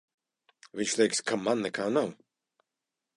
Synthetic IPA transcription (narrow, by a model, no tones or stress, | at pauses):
vʲiɲʃlʲˠɛjkskamanːɛkaːnaw